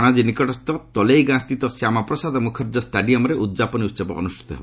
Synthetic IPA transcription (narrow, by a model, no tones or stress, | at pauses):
ɽ̃ad͡ʒinikɔʈɔst̪ɔt̪ɔlejɡãst̪it̪ɔsjamapɾɔsad̪ʱɔmukʰɔɾd͡ʒɔsʈaɖiɔmɔɾeʔud̪d͡ʒapɔniut̪ːsɔbɔɔ̰nusʈʰi̥t̪ɔɦḛbɔ